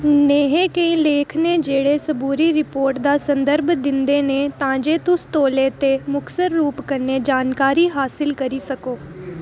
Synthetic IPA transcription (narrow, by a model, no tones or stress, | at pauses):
neːɦẽkɐĩleːkʰned͡ʒeːɽesɐbʱuːɾiɾɪpoːɾʈd̪aːsɐ̃nd̪əɾbd̪ɪ̃nd̪enet̪ɐãːd͡ʒet̪ʊst̪oːlet̪emʊksəɾːuːpkɐned͡ʒaːnkaːɾiɦaːsɪlkɐɾisɐkoː